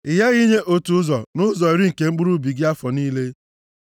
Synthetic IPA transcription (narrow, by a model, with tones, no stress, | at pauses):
ɪ˨ja˦ɣi˦ɲe˦ʔo˦tu˨˦zɔ˨nʊ˦zɔ˨i˨ɾi˦ŋ̩˨ke˨ŋ͡m̩˦k͡pu˦ɾu˦bi˨ɡɪ˦a˦fɔ˨niː˦le˦